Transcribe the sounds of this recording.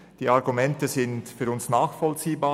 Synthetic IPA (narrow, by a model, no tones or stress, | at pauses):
d̥iːaʁɡumɛntəzɪntfyːɾʊnsnaːxfɔlt͡siːbaː